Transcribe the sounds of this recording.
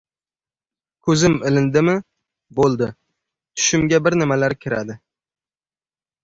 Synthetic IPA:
kʰɵzɪmɪlɪnd̪ɪmɪ | bolˠd̪ɪ | t̪ʰʊ̥ʃɪmɡʲabɪɾnɪmalaɾkʲʰɪɾa̰d̪ɪ

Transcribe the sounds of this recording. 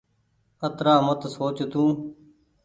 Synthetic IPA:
ət̪ɾaːmət̪soːt͡ʃt̪ũː

